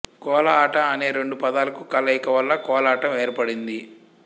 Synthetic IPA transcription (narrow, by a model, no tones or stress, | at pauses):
kɔːlɐaːʈɐɐne̞ːɾeɳɖupɐd̪aːlɐkukɐlːɐjkɐʋɐlːɐkɔːlaːʈɐmeːɾpɐɽind̪i